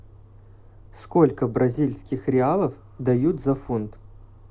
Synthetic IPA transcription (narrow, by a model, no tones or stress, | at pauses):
skolʲkəbɾɐzʲilʲsʲkʲɪxɾʲɪalˠəf | d̪ɐjut̪zɐfunt̪